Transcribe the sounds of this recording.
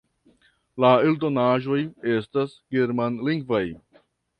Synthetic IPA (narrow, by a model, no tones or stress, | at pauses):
laeldonaʒo̞je̞stasɡeɾmanliŋɡvaj